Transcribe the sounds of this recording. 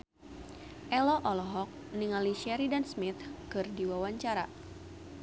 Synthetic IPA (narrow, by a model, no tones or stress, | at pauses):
ʔɛlɔʔɔlɔɦɔk̚niŋaliʃɛɾidansmit̪kɨrdiwawaɲt͡ʃaɾa̰